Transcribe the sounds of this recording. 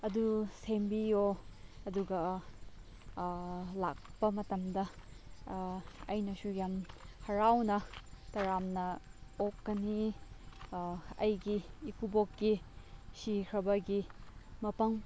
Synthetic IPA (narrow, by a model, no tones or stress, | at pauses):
ɐdusembijoɐduɡɐ | la̰k̚pɐmɐtɐmdɐ | ɐjnɐsujamhɐɾawnɐtɐɾamnɐokːɐni | ɐjɡiːkubokːisikʰɾɐbɐɡimɐpɐŋ